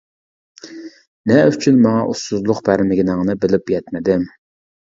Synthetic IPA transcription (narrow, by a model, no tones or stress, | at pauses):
nɛyt͡ʃʰynmɑŋɑʔusuzlˠʊqbæɾmɪɡʲinɨŋnɨbɪlɪpjɛt̪mɪd̪ɪm